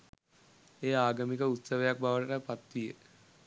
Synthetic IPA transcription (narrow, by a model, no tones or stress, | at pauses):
eːaːɡəmikəut̪səʋejak̚baʋəʈəʈəpat̪ʋijə